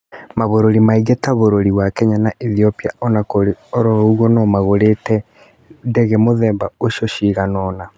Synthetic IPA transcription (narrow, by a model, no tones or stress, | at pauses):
maβoɾoɾimaiɣetaβoɾoɾiβwakɛɲanaʔiθiopiaɔnakoɾeoɾoɣɔnɔmaɣoɾetɛ | ndɛɣɛmoðɛːmbaoʃoʃiɣanɔna